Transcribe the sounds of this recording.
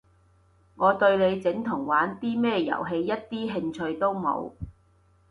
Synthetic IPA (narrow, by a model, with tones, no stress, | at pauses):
ŋɔː˨˧t̪ɵ˧ɥle˨˧jt͡sɪ˨˥ŋt̪ʰʊ˨˩ŋwaː˨˥nt̪iː˥mɛː˥jɐ̰˨˩wɦe˧jːɐ˥t̚t̪iː˥ɦɪ˧ŋt͡ʃʰɵ˧ɥt̪o˥wmo̰˨˧w